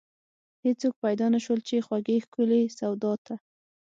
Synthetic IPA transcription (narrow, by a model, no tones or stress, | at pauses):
het͡sok̚pajd̪ɑnaʃwəlt͡ʃexwaɡexkʊlesawd̪ɑt̪a